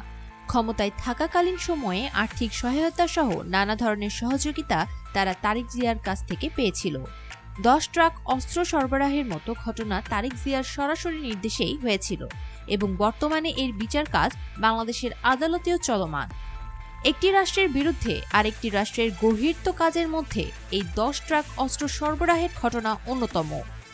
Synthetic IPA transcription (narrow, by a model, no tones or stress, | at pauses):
kʰɔmot̪aet̪ʰakakalinʃɔmɔeʔaɾt̪ʰikʃɔɦaot̪aʃɔɦo̰nanad̪ʱɔɾoneɾʃɔɦod͡ʑoɡit̪at̪aɾat̪aɾikziaɾkad͡ʑʰt̪ʰekepeet͡ɕʰilo̰ | d̪ɔʃʈɾakʰɔst̪ɾoʃɔɾboɾaɦeɾmɔt̪oɡʱɔʈonat̪aɾikziaɾʃɔɾaʃoɾiniɾd̪eʃejɦojet͡ɕʰilo̰ | eboŋbɔɾt̪omaneʔeɾbit͡ɕaɾka̰d͡ʑbaŋlad̪eʃeɾad̪alot̪iot͡ɕɔloma̰n | ek̚ʈiɾaʃʈɾeɾbiɾud̪ʱːḛʔaɾek̚ʈiɾaʃʈɾeɾɡoɦiɾt̪okad͡ʑeɾmod̪ʱːḛ | ejd̪ɔʃʈɾakɔst̪ɾoʃɔɾboɾaɦeɾɡʱɔʈonaʔonːot̪ɔmo̰